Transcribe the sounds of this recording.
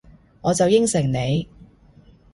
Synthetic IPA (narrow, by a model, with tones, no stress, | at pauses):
ŋɔː˨˧t͡sɐ˨wjɪ˥ŋsɪ˨˩ŋne˨˧j